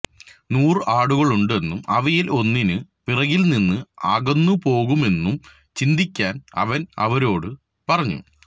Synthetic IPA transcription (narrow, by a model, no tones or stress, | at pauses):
nuːrɨʔaːɽuɣɐɭuɳɖɨe̞nːumɐʋɐjilo̞nːinɨpirɐɣilninːɨaːɣɐnːupo̞ːɣume̞nːum | t͡ɕind̪ikʲːaːnɐ̰ʋɐnɐ̰ʋɐɾo̞ːɽɨ | pɐrɐɲːṵ